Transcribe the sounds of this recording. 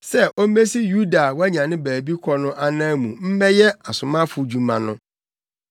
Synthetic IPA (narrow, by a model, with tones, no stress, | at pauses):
sɛ˦ʔo˦me˦si˦ju˦da˨wɔ˦ɲã˨nɪ̃˦bæː˨bi˦kʰɔ˦nʊ̃˦ʔa˨nã˦mũ˨m̩˦mɛ˦jɛ˦a˨sʊ̃˨mã˦fʊ˨d͡ʑu˨mã˨nʊ̃˦